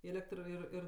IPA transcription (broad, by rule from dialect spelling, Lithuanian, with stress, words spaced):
ˈeːlʲɛktr ɪr ˈɪr